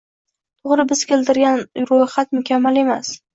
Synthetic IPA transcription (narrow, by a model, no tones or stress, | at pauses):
t̪ʰʊʁɾɪbɪz̥kʲe̞ld̪ɪɾɡʲanɾoχat̪mʊkʲʰamːale̞mas